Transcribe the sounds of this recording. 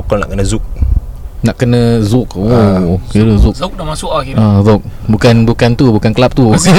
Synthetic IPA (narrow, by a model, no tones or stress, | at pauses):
kɔlna̰ʔkənəzuk̚ | naʔkənə̃zuk̚ouɾuzuk̚amasuʔazok̚bukanbukant̪ubukankəlap̚t̪u